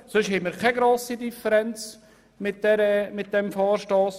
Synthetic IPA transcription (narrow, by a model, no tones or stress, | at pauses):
sɵʃhɛməɾkʰɛɡɾoːsidifəɾɛnt͡s | mɪt̚d̥ɛɾəmɪt̚d̥ɛmfɑːɾʃtɑːs